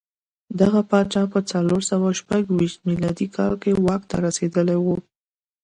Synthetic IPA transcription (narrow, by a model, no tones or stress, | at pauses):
d̪aɣapɑt͡ʃɑpət͡saloɾsawaʃpaɡwiʃt̪̚milɑd̪ikʰɑlkewɑk̚t̪a̰ɾased̪əlewu